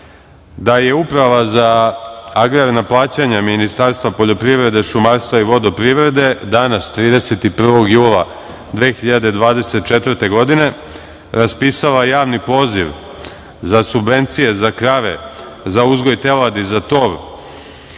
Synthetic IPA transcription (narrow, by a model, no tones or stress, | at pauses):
d̪aje̞upɾaʋaza | aɡɾaɾnaplˠaːt͡ɕaɲaminist̪aɾst̪ʋapo̞ʎo̞pɾiʋɾe̞d̪e̞ʃumaɾst̪ʋaiʋo̞d̪o̞pɾiʋɾe̞d̪e̞d̪anast̪ɾiːd̪e̞set̪ipr̩ʋo̞ɡjuːlˠa | d̪ʋeːxiʎad̪e̞d̪ʋaːd̪e̞set̪t͡ʃe̞t̪ʋrɾt̪e̞ɡo̞d̪ine̞ | ɾaspiːsalajaːʋnipo̞ːziʋ | zasubʋe̞nt̪sije̞zakɾaʋe̞̰ | zauzɡo̞jt̪e̞lad̪izat̪o̞ɾ